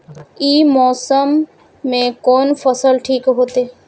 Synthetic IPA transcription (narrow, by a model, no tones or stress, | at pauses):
iːmɔːsəmː | ẽkoːnfʰəsəlʈʰiːkɦoːt̪eː